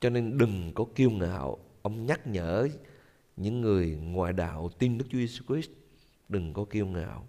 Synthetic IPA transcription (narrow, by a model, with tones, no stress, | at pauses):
t͡ɕɔ˧ne˧nɗɨ˨˩ŋkɔ˨˦ki˧əwŋa̰ː˧˨wʔə˧wŋ͡mɲa˦˥k̚ɲə̰ː˧˥ | ɲɨ̰˧˥ŋːɨ˨˩əjŋwa̰ː˧˨jɗa̰ː˧˨wt̪i˧nɗɨ˦˥k̚t͡ɕu˨˦je˧su˧kɾi˦˥st̚ | ɗɨ˨˩ŋkɔ˨˦ki˧əwŋa̰ː˧˨w